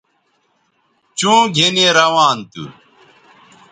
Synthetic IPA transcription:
t͡ɕũːɡʱeneɾɐwaːnt̪ṵ

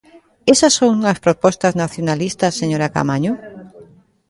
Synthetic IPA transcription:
esɐsːoŋɐspɾopɔst̪ɐznaθjonalist̪ɐsːeɲoɾaka̰maɲo

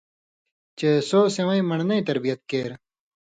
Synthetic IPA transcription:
t͡ɕesoːsewɐ̃ĩmɐɳnɐĩt̪ɐɾbijɐt̪̚keːɾ

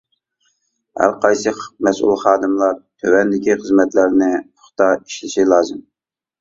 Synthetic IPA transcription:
hæ̰ɾqɑjsɨmɛsṵlˠχɑːd̪ɨmlˠɑɾt̪ʰøwɛnd̪ɪkʲiχəzmɛt̪læɾnɪʊ̥χt̪ɑi̥ʃlɪʃilˠɑːzɨm

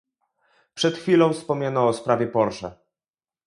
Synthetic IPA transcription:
pʂɛt̪xfʲilɔ̃w̃fspɔmʲanɔːspɾavʲjɛpɔɾʂɛ

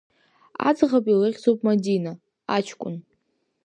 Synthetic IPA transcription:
a̰d͡zʁapʼilɨʁʲd͡zowpʼmadina | at͡ʃʰkʷʼʊ̰n

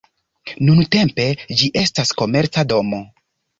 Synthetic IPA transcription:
nunte̞mpe̞d͡ʒiʔe̞stasko̞me̞ɾt͡sado̞mo̞

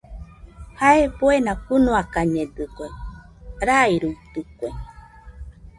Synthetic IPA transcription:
haepoenakɨnũakaɲẽd̪ɨkʷe | ɾajɾut̪ukʷe

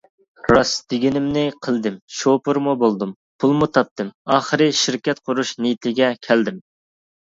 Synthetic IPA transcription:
ɾɑsd̪̥ɪɡʲinɪmnɪqʰəlˠd̪ɪmʃopʊɾmubolˠd̪um | pʰulˠmut̪ʰɑp̚t̪ɨmɑːχəɾɨʃiɾkʲɛt̪qʰʊɾuʃnijit̪ʰlɪɡʲɛkʲʰæld̪ɪm

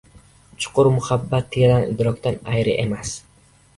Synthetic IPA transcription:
t͡ʃʰʊ̥qʰʊɾmʊhabːat̪ʰːejad̪anɪ̰d̪ɾɒkʲt̪anajɾɪʔemas

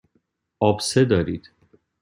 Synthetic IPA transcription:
ɒːbsed̪ɒːɾiːd̪̥

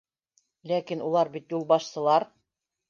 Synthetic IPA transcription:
lækinulˠɑɾbit̪julˠbɑʃsɤ̆lˠɑɾ

